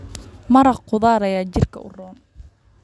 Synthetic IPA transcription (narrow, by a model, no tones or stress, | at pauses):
mɐɾɐqʊðaːɾɐjaːt͡ʃɪrkʰɐ̰ʊ̰rɔːn